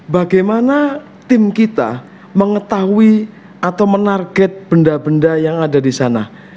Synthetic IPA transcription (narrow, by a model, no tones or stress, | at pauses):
baɡajmana | t̪ɪmkit̪a̰ | məŋət̪aɦui | at̪awmənarɡɛt̪̚b̥əndabəndajaŋadadisana